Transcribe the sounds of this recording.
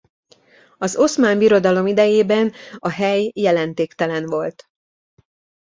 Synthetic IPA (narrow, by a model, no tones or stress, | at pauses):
ɒzo̞smaːmbiɾo̞d̪ɒlo̞mid̪ɛjeːbɛnɒɦɛjːɛlɛnt̪eːkt̪ɛlɛnvo̞lt̪